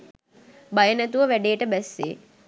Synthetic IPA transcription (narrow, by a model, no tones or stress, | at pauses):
bajənæt̪uʋəʋæɖeːʈəbɛsːḛː